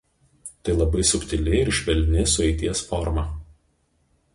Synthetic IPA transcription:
t̪ɐɪlˠɐbɐɪsʊkʲt̪ʲɪlʲɪɪɾɪʃʲʋʲɛlʲnʲɪsʊɛɪt̪ʲiɛsfɔɾmɐ

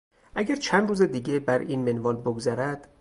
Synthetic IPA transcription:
ʔæɡæɾt͡ʃʰænd̪ɾuːzed̪iːɟebæɾiːnmenvɒːlboɡzæɾæd̪̥

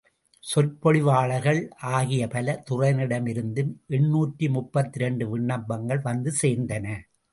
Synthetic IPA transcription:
sɔlpɔɭɪʋaːɭɐɣɐɭʔaːɣɪjɐpɐlɐt̪ʊrɐɪnɪɽɐmɪɾɯnd̪ɯmʔɛɳːuːʈrimʊpːɐt̪ːɪɾɛɳɖɯʋɪɳːɐmbɐŋɡɐɭʋɐnd̪ɯseːɾnd̪ɐnɐ

